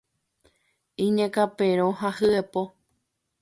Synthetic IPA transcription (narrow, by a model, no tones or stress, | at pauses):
ĩɲãkapeɾoɦahɨepo